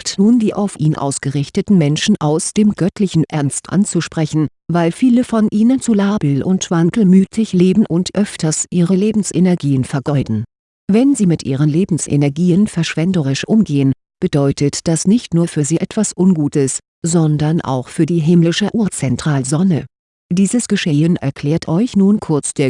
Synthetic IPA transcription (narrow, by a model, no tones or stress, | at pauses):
tnuːndiːʔa̰ʊfʔiːnʔa̰ʊsɡ̥əʁɪçtətn̩mɛnʃn̩ʔaʊsd̥eːmɡœtʰlɪçn̩ʔɛɐnstʔa̰nt͡suʃpʁ̥ɛçn̩ | vaɪlfiːləfɔnʔiːnənt͡sulaːbl̩ʔʊntv̥aŋkl̩myːtʰɪçleːbm̩ʔʊntʔœftɐsʔiːʁəleːbm̩sʔenɛɐɡiːənfɛɐɡɔʏdn̩ | vɛnziːmɪtʔiːʁ̞ənleːbm̩sʔḛnɛɐɡiːənfɛɐʃv̥ɛndəʁ̞ɪʃʔʊmɡeːən | b̥ədɔʏtətd̥asnɪçtnuːɐfyːɐziːʔɛtv̥asʔʊnɡuːtəs | z̥ɔndɐnʔa̰ʊxfyːɐdiːɦɪmlɪʃəʔuːɐt͡sɛntʁ̥aːlzɔnə | d̥iːzəsɡ̥əʃɛːənɛ̰ɐkʰl̥ɛːɐtʰʔɔʏçnuːnkʰʊɐt͡sd̥eːɐ